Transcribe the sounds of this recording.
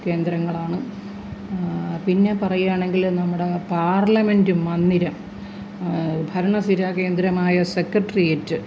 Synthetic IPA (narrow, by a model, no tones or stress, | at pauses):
ke̞ːnd̪ɾɐŋːɐɭaːɳɨ | pinːe̞pɐrɐjaːɳe̞ŋɡilnɐmːuɽe̞paːrlɐme̞ndumːɐnːiɾɐm | bʱɐɾɐɳɐsiɾaːke̞ːnd̪ɾɐmaːjɐsekrɐʈːɐrijetːɨ